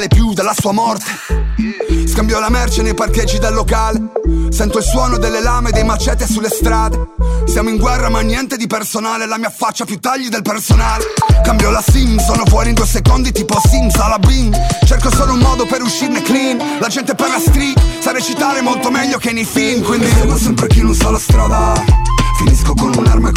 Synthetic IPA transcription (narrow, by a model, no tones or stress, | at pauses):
lepjud̪alːasuːamɔrt̪e̥ | skambjɔlamɛrt͡ʃenejparked͡ʒːid̪elːokaːlesɛnt̪oilswɔːnod̪elːelaːmed̪ejmat͡ʃɛt̪ːesulːest̪ɾaːd̪esjaːmoiŋɡwɛrːamanːjɛnt̪ed̪ipersonaːleɛlamiːafːat͡ʃːapjut̪ːaʎːid̪elpersonaːlekambjɔlasimsɔːnofwɔːɾind̪uojsekond̪it̪iːpɔsimsalabwiŋt͡ʃerkosoːloummɔːd̪opeɾuʃːirneklin | lad͡ʒɛnt̪eperːask̪ɾisaɾet͡ʃit̪aːɾemolt̪omɛʎːokenːejfinkwind̪isɛmpɾekinunsɔlast̪ɾad̪a | finiskokonuna̰rma